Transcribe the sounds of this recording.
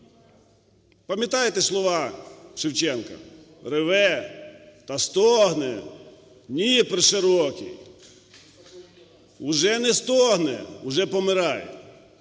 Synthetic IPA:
pɐmʲjɐt̪ɑjet̪ɛslˠɔʋɑʃɪwt͡ʃɛnkɐ̰ | rɪʋɛ | t̪ɐst̪ɔɦnɛ | nʲipɾɪʃeɾɔkʲḭ | ʊʒɛnɛst̪ɔɦnɛ̰ʊʒɛpɔmɪɾɑj̰

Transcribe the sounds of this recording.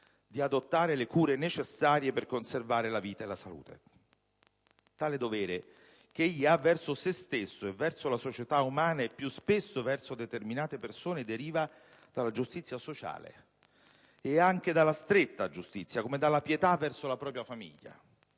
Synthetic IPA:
d̪iad̪ot̪ːaːɾelekuːɾenet͡ʃesːaːɾjeperkonservaːɾelaviːt̪aelasalṵːt̪ʰḛ | t̪aːled̪ovɛːɾe | k̟eeʎːiavːɛrsosest̪esːoevːɛrsolasot͡ʃet̪aumaːnapːjuspesːovɛrsod̪et̪erminaːt̪epersoːned̪eɾiːva | d̪̥alːad͡ʒust̪it̪sːjasot͡ʃa̰ːlḛ | aŋk̟ed̪alːast̪ɾet̪ːad͡ʒust̪it̪sːjakomed̪alːapjet̪avːɛrsolapɾɔːpɾjafamḭʎːa̰

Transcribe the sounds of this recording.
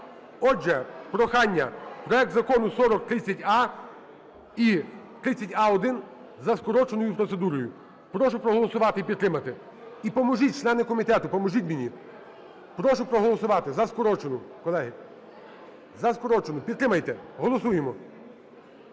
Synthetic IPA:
ɔd͡ʒɛpɾɔxɑnʲːɐpɾɔɛk̚t̪zɐkɔnʊsɔɾɔk̚t̪ɾɪt͡sʲːɐtʲɑ | it̪ɾɪt͡sʲɐtʲɑɔd̪ɪn | zɐskɔɾɔt͡ʃenɔjʊpɾɔt̪sed̪uɾɔjʊ | pɾɔʃʊpɾɔɦɔlˠɔsʊʋɑt̪ɪipʲid̪t̪ːɾɪmɐt̪ɪ | ipɔmɔʒit̚ʲt͡ʃlˠɛnɪkɔmʲit̪ɛt̪ʊpɔmɔʒitʲminʲi | pɾɔʃʊpɾɔɦɔlˠɔsʊʋɑt̪ɪzɐskɔɾɔt͡ʃenʊkɔlˠɛɦɪ | zɐskɔɾɔt͡ʃenʊpʲid̪̚t̪ɾɪmɐjt̪ɛɦɔlˠɔsujemɔ

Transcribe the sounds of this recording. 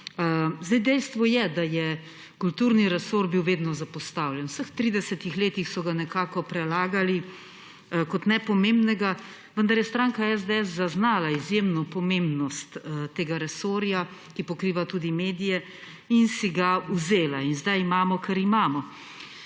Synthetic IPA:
zd̪ajd̪ɛjst̪ʋɔjɛd̪ajɛ | kult̪uːɾniɾɛsoɾbiwʋeːd̪nɔzapɔst̪awljɛnwsəxt̪ɾiːd̪ɛsɛt̪ixleːt̪ixsɔɡanɛkaːkɔpɾɛlaːɡali | kɔt̪nɛpɔmeːmbnɛɡa | ʋənd̪ɐɾjɛst̪ɾaːŋkaɛzd̪eɛsːaznaːlaizjeːmnɔpɔmeːmbnɔst̪t̪eːɡaɾɛsoːɾja | kipɔkɾiːʋat̪uːd̪imeːd̪ijɛ | insiɡauzeːlainzd̪ajimaːmɔkaɾimaːmɔ

